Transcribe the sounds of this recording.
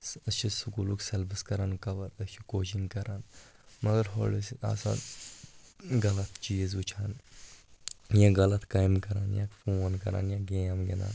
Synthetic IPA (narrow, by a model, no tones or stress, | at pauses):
sɐt͡ʃʰisukuːluːksɐlbiskɐɾaːnkɐʋɐɾɐt͡ʃʰikoːt͡ʃiŋɡkɐɾaːn | mɐɡɐɾɦolisia̰ːsa̰ːn | ɡɐlɐt̪ʰt͡ʃiːzʋut͡ʃʰaːn | jãːɡɐlɐt̪kaːjmkɐɾaːnjãːkfoːnkɐ̰ɾa̰ːnjãːɡeːamɡina̰ːn